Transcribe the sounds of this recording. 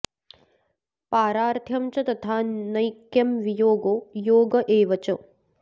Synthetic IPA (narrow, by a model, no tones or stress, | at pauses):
paːɾaːɾt̪ʰjɐmt͡ʃɐt̪ɐt̪ʰaːnɐjkjɐmʋijoːɡoːjoːɡɐʔeːʋɐt͡ʃɐ